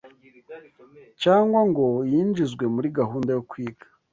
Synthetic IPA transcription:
caːŋɡwaŋɡo̞jiːnd͡ʒizɡwe̞muɾiɡaɦuːndajokwiːɡḁ

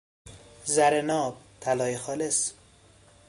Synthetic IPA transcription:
zæɾenɒːb̚t̪ʰælɒːjexɒːles

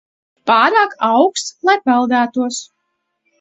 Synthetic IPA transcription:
paːɾaːkawkst̪lˠajpɛlˠd̪æːt̪uɔs

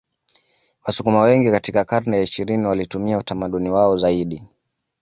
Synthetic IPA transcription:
wasukumawɛŋɡikatikakaɾnɛjaiʃiɾiniwalitumiautamaɗuniwaɔzaiɗi

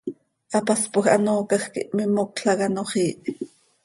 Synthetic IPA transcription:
ʔɑpɑspoxʔɑ̰noːkɑxkḭʔmimokɬɑkɑnoχiːʔ

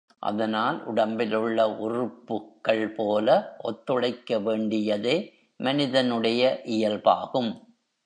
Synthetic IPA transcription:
ʔɐ̰ðɐnaːlʔʊ̰ɽɐmbɪlɯɭːɐʔʊrʊpːɯkːɐɭpoːlɐʔɔt̪ːɯɻɐɪkːɐʋeːɳɖɪjɐðeː | mɐnɪðɐnɯɽɐjɐʔɪjɐlpaːɣɯm

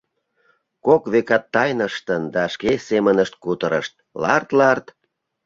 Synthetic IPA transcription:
kokβekɑt̪ːɑjnəʃt̪ənd̪ɑʃkesemənəʃt̪̚kut̪əɾə̰ʃt̪̚lɑ̰rt̪lɑrt̪

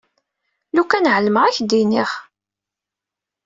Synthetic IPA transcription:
lukænʕəlməʁæçd̪iniχ

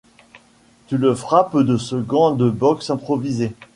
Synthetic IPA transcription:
t̪yləfχapd̪əsəɡɑ̃d̪əbɔksɛ̃pχɔvize

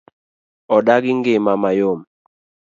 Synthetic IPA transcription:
ɔɗaɡɪŋɡemamajom

